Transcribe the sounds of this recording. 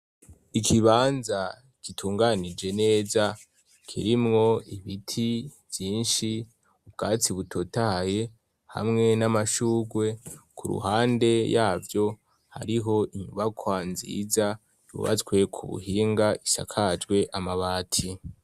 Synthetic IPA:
ikʰiβaːnza | kitʰuːŋɡanid͡ʒe̞ne̞ːza | kʰiɾimŋo̞iβitʰiv̥jiːnʃi | ub̚ɡ̥aːt͡siβutʰo̞tahaje̞ | ha̰mŋe̞namaʃuːɡwe̞kʰuɾṵhaːnde̞jaːvjo̞ | ha̰ɾiɦo̞ʔiɲuβakʰwaːnzḭza | jṵːβa̰t͡swe̞kʰuβṵhiːŋɡaisa̰kʰad͡ʒɡwe̞ʔamaβaːtʰi

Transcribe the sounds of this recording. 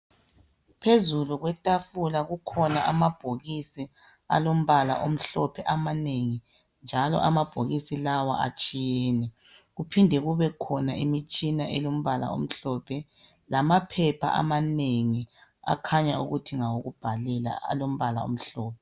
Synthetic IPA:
pʰezuluɣwɛtʼafulaɣukʰɔnaʔamab̥ʱoɣisi | a̰lom̩βala̰ʔom̩ɬɔpʰɛʔamaneŋi | nd͡ʒʱalɔ̰ʔamab̥ʱoɣisilawa̰ʔa̰t͡ʃʼijɛːnɛ | ɣupʰindʱɛɣuβɛkʰɔnaʔimit͡ʃʼinaʔɛlom̩βala̰o̰m̩ɬɔːpʰɛ | lamapʰɛpʰa̰ʔa̰maneŋia̰kʰaɲaṵɣutʰiŋawoɣub̥ʱalɛla̰a̰lom̩βala̰o̰m̩ɬɔːp̚ʰɛ

